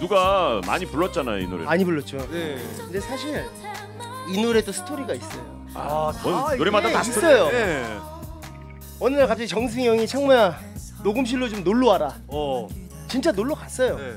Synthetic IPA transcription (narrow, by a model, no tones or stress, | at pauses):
nuɡama̰ɲipuɭːʌt̚t͡ɕ͈ana̰jo̰ḭnṵɾḛaɲibuɭːʌt̚t͡ɕ͈onekɯnde̞sʰaɕ̬ʰiɾ | inuɾe̞dosʰɯ̥tʰoɾiɡais͈ʌjo | taʌoɾemadaaiss͈ʌjoe | ʌnɯɯɭkap̚t͡ɕ͈iit͡ɕʌŋs̬ʰeŋjʌŋit͡ɕʰaŋmuja | noɡɯmɕ̬ʰiɭːot͡ɕomnoɭːoɦaɾa | t͡ɕint͡ɕ͈anoɭːʌkas͈ʌjoe